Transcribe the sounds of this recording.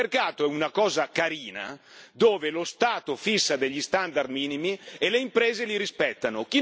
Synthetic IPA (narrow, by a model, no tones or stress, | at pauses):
rkaːt̪oɛunakɔːzakaɾiːna̰ | d̪oːvelost̪aːt̪ofisːad̪eʎːist̪and̪ard̪miːnimieleimpɾeːzeliɾispɛt̪ːanok̟i